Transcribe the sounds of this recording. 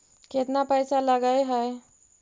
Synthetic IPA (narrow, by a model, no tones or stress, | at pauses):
ket̪napəjsaləɡəjɦəj